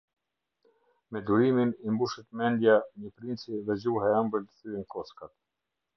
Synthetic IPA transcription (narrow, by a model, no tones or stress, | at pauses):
mɛd̪uɾiminimbuʃɛt̪mɛnd̪jaɲəpɾint͡siðɛd͡ʑuɦɛɛmbəlt̪ə̥θyɛnkɔskat̪